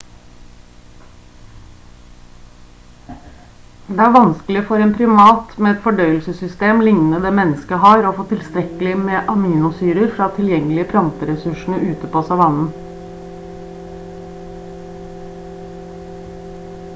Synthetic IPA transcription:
d̪eːæːɾʋɑnsklɪfɔɾeːnpʰɾɪmɑːt̪meːɛt̪fɔɖœʏəlsəsʏst̪eːmlɪŋnəd̪eːmɛnəskəhɑːɾoːfoːt̪ʰɪlst̪ɾɛkəlɪmeːʔɑmiːnʊsyːɾəɾfɾɑːt̪ʰɪljɛŋəlɪəpʰlɑnt̪əɾɛsʉʃɳ̩əʔʉːt̪əpʰoːsɑʋɑnn̩

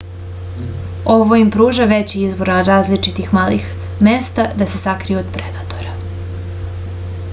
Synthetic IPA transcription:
o̞ʋoimpɾuːʒaʋet͡ɕiizbo̞ɾaɾaːzlit͡ʃit̪ixmaːlix | mest̪ad̪ase̞sakɾijuod̪pɾed̪at̪o̞ɾa

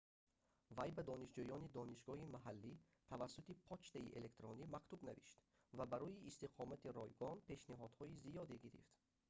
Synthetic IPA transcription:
vajbad̪ɔniʃd͡ʒujɔnid̪ɔniʃɡɔhimaɦalːi | t̪ʰavasːut̪ipʰɔt͡ʃt̪aḭʔḛle̞kt̪ɾɔnimakt̪ubnavḭʃt̪ | vabaɾɔiːst̪iqʰɔmat̪iɾɔjɡɔnpʰe̞ʃniɦɔd̪̥hɔizijɔd̪eɡiɾḭft̪

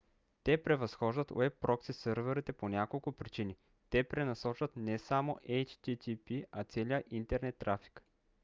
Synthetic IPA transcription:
t̪ɛpɾɛvɐsxɔʒd̪ɐt̪ɛpːɾɔksisɤɾvɛɾit̪ɛponʲakolˠkʊpɾit͡ʃini | t̪ɛpɾɛnɐsɔt͡ʃvɐt̪nɛsamoʔɛjt͡ʃt̪it̪ʲipiat̪sɛlijəʔint̪ɛɾnɛt̪ːɾafi̥k

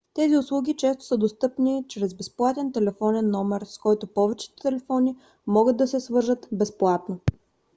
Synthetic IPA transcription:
t̪ɛziʊslˠuɡʲit͡ʃɛst̪o̥səd̪ost̪ɤpnit͡ʃɾɛzbɛsplˠat̪ɛnt̪ɛlɛfɔnɛnːɔmɛɾskɔjt̪opɔvɛt͡ʃɛ̥t̪t̪ɛlɛfɔni | mɔɡɤd̪ːɐsɛsvɤɾʒət̪bɛsplˠat̪no

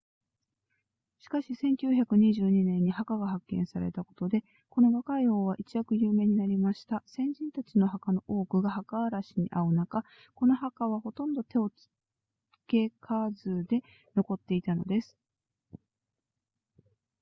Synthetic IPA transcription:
ɕi̥kaɕisẽ̞ŋkʲɨːçʲakɯ̟ɲ̟iʑɨːɲ̟inẽ̞ɲ̟ːihakaɡahakːẽ̞ɰ̃saɾe̞̰t̪ako̞̥t̪o̞d̪e̞ | ko̞no̞ɡakaio̞ːβ̞aʔit͡ɕiakɯ̟jɯːme̞ːɲ̟inaɾʲimaɕi̥t̪asẽ̞ɲ̟d͡ʑĩnt̪at͡sino̞ɦakano̞ʔoːkɯ̟ɡahakaːɾaɕiɲ̟ḭʔaɯ̟naka | ko̞no̞ɦakaβ̞aho̞t̪õ̞nd̪o̞t̪e̞o̞t͡sɨ̥ | ke̞kʰazɨːd̪e̞ | no̞ko̞t̪ːe̞it̪ano̞̰d̪esɨ̥

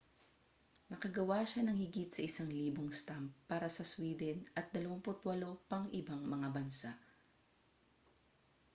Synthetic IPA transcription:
nɐkɐɡɐwaʃanɐŋhɪɡit̪̚sɐʔɪsaŋliːboŋst̪ampːaːɾɐsɐswiːd̪ɛnɐt̪̚d̪ɐlɐwaŋpʊt̪wɐlo̞pɐŋʔɪbaŋmɐŋabɐnsaʔ

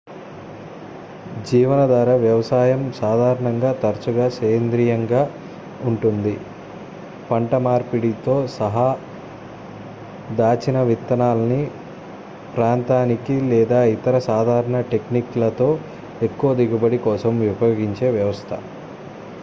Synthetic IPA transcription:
d͡ʒiːʋɐnɐd̪aːɾɐʋjɐʋɐsaːjɐmsaːd̪ʱaːɾɐɳɐŋɡaːt̪ɐɾt͡ʃuɡaːsɐːɐnd̪ɾiːjɐŋɡaː | uɳʈund̪i | pɐɳʈɐmaːɾpiɽit̪o̞ːsɐɦɐ | d̪aːt͡ʃinɐʋit̪ːɐnaːlɐni | pɾaːnt̪aːnikilɛːd̪aːit̪ɐɾɐsaːd̪ʱaːɾɐɳɐʈe̞kniklɐt̪o̞ː | ekːuʋɐd̪iɡubɐɽikɔːsɐmʋipɐjoːɡiɲt͡ʃe̞ːʋjɐʋɐst̪ʰɐ̰

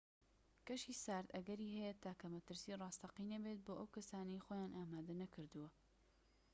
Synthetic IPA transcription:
kɐʃisaːɾt̪ɐɡɐɾiːɦɛjɐt̪aːkɐmɐt̪ɨɾsiːrˤɑːst̪ɐqinɐbet̪̚boːʔɐwkɐsaːnɐjxojaːnʔaːmaːd̪ɐnɐkɨɾd̪ɨwɐ

